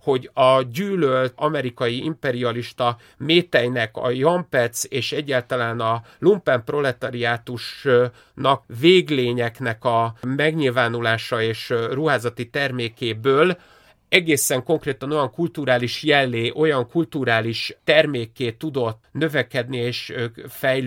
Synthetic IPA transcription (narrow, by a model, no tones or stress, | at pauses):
ho̞ɟɒɟyːlølt̪ɒmɛɾikɒjiḭmpɛɾiɒliʃt̪ɒ | meːt̪ɛjnɛkɒ̰jɒmpɛt̪seːʃɛɟːaːlt̪ɒlaːnɒ | lumpɛmpro̞lɛt̪ɒɾiaːt̪uʃ | nɒkveːɡleːɲɛknɛkɒmɛɡɲilvaːnulaːʃɒeːʃruɦaːzɒt̪it̪ɛrmeːkeːbøːl | ɛɡeːsɛŋko̞ŋkreːt̪ɒno̞jɒŋkult̪uɾaːliʃjɛlːeːʔo̞jɒŋkult̪uɾaːliʃt̪ɛrmeːkeːt̪ːud̪o̞t̪nø̞vɛkɛd̪nieːʃfɛj